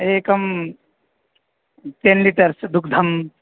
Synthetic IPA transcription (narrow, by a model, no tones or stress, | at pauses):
eːkɐm | ʈenliʈɐɾsd̪ukʰd̪ʱɐm